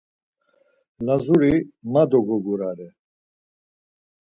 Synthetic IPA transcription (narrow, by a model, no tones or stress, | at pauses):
lazuɾimad̪ɔɡɔɡuɾaɾɛ